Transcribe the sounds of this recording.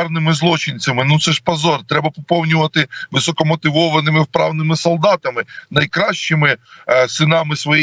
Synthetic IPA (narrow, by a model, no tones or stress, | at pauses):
rnɪmɪzlˠɔt͡ʃɪnʲt͡sʲɐmɪnut̪sɛʃpɐzɔrt̪ɾɛbɐpɔpɔwnʲʊʋɐt̪ɪʋɪsɔkɔmɔt̪ɪʋɔʋɐnɪmɪwpɾɑwnɪmɪsɔlˠd̪ɑt̪ɐmɪnɐjkɾɑʃt͡ʃɪmɪsɪnɑmɪsʋɔji